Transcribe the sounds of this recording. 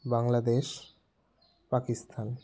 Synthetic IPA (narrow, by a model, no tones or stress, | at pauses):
baŋlad̪eʃ | pakist̪ʰan